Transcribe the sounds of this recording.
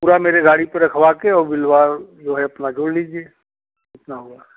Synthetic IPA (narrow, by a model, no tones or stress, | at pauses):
puːɾameːɾeɡaːɽ̃ipeɾɐkʰʋaːkeɔːɾbɪlʋaːɾd͡ʒoːɦɛɐpnad͡ʒoːɽliːd͡ʒieː | ɪt̪naɦʊaː